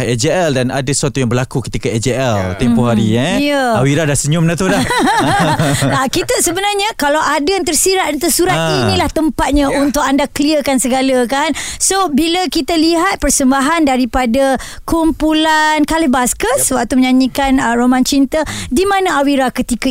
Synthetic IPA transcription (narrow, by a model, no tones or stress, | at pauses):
ɛd͡ʒeɛldana̰dasəat̪ujaŋbərlakukə̥t̪ikaɛd͡ʒeʔɛlt̪empuɦaɾiajəawiɾadahsəɲʊmnat̪uda | akit̪əsəbənarɲãkalawʔadəjant̪ərsiɾaʔ̪t̪əsuɾat̪inĩlaht̪əmpat̪̚ɲaunt̪ʊk̚andakəliəkansəɡaləkansobiləkit̪aliɦat̪̚pərsəmbaɦandaɾipada | kumpulankalibaskəsəwak̚t̪uməɲaɲikanəromãnt͡ʃint̪ədimãnãawiɾakət̪ikə